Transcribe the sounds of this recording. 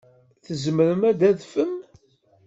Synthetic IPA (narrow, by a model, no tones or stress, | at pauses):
θəzəməɾəmæd̪æðfəm